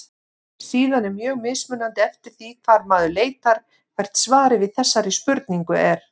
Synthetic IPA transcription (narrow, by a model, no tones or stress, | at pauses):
siːðanːɛmjœːɣmɪðsmʏnant̪ɪɛft̪ɪɾ̥θikʰvaɾmaːðʏleːjt̪aɾ̥ | vɛɾ̥t̪svaːɾɪvɪðθɛsːaɾispʏɾt̪niŋkʏɛɾ̥